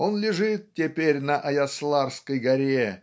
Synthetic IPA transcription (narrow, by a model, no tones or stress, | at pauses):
onlʲɪʐɨt̪̚tʲepʲerʲnɐʔɐjɐslˠɑrskəjɡɐɾʲe